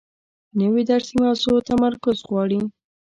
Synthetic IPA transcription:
nəwid̪aɾsimɑsot̪amaɾkʊzɣwɑɽi

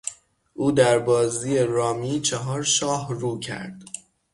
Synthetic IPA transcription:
ʔuːd̪æɾbɒːziːeɾɒːmiːt͡ʃʰeɦɒːɾʃɒːhruːcʰæ̰ɾd̪̥

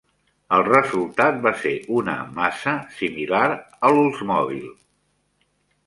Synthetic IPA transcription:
əlˠrəzulˠt̪at̪̚baseʔunə̰masəsimilaɾ | əlulˠzmɔβ̞ḭlˠ

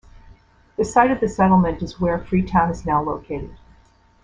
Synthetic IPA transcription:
ðɨsaɪɾʌvðɨsɛɾl̩ˠmɨ̃ntɨzwə˞fɹitʰãʊ̃nɨznaʊloʊkʰeɪɾɨd̥

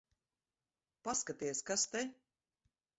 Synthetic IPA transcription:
paskat̪iɛskast̪e

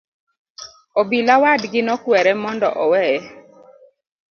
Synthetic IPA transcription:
obilawadɡɪnɔkwɛɾɛmɔndɔʔɔwɛɛ

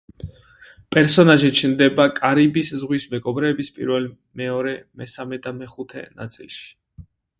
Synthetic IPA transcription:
pʼɛɾsɔnaʒit͡ʃʰnd̪ɛbakʼaɾibiszʁwismɛɡɔbɾɛːbispʼḭɾvɛl | mɛɔɾɛmɛsamɛd̪amɛχut̪ʰɛ̰na̰t̪sʼḭlˠʃi̥

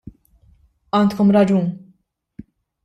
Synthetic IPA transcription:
ʔɐːnt̪kɔmɾɐd͡ʒuːn

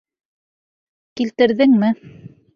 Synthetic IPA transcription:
kilt̪ɘ̆ɾðɘŋmɘ

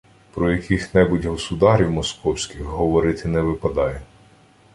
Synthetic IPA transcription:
pɾɔjɐkʰʲixnɛbʊtʲɦɔsʊd̪ɑɾʲiwmɔskɔwsʲkʲixɦɔʋɔɾɪt̪ɪnɛʋɪpɐd̪ɑjɛ

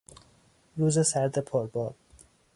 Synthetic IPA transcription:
ɾuːzesæɾd̪epʰoɾbɒːd̪

